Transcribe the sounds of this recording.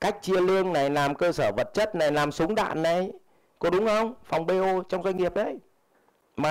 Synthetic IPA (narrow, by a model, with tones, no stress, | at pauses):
ka˦˥jk̟̚t͡ɕi˧əli˧əŋna˨˩jlaː˨˩mkəː˧səː˧˩və˨˩t̚t͡ɕə˦˥t̚na˨˩jlaː˨˩msʊ˨˦ŋ͡mɗa̰ː˧˨nːa˨˩j | kɔ˨˦ɗʊ˨˦ŋ͡mxə˧wŋ͡mfa˨˩wŋ͡mɓe˧o˧t͡ɕɔ˧wŋ͡mzwa˧ŋ̟ŋi˨˩əp̚ɗə˧˦j | maː˨